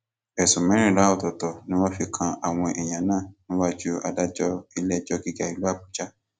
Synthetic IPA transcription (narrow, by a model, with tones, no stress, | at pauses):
ɛ˨sũ˨mɛ̃˨˦ĩ˦˨la˨˦ɔ˦˨tɔ˨tɔ˨nĩ˦wɔ̃˦fi˧kʰã˧a˨w̃ɔ̃˧ʔɛ˨j̃ã˨nãː˦˨nĩ˦wa˦d͡ʒu˦a̰˧da˦d͡ʒɔ˦i˧lɛ˦˨d͡ʒɔ˦ɡi˦ɡa˦˨i˨lu˦a˦˨bu˨d͡ʒa˦